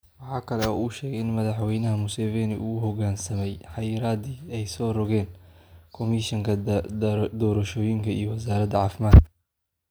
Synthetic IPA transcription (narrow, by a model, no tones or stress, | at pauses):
wɑħɑːkʰɐlɛɔ̰ːuːʃɛːɡɣɛjɪnmɐðɑħwɛjnɐɦɐmʊsɛːvɛːnɪ̰ʔṵʊhɔɣaːnsɐmɛjħɑjɾaːd̪iːɛjsɔːrɔɣɛːnkʰɔmiʃɪŋkʰɐ | d̪ɔːɾɐʃɔːjɪŋkʰɐḭjɔwɐs̬aːɾɐd̪ɐʕɑːfɪmaːt̪kʰɐ